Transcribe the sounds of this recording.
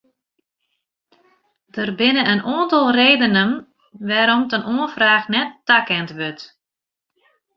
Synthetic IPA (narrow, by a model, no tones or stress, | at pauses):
d̥ərbɪnəʔənʔoəntɑlˠreːdənən | ʋaːɾɔmtənʔoə̃nfraːxnɛtːakɛntʋøt